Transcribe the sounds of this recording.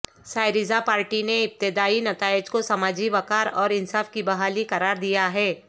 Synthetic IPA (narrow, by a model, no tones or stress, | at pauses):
saːɪɾɪzapaːɾʈineɪp̚t̪ɪd̪aːinɐt̪aːɪd͡ʒkosɐmaːd͡ʒiʋɐkaːɾɔːɾɪ̃nsaːfkibɐɦaːlikɐɾaːɾd̪ijaɦɛː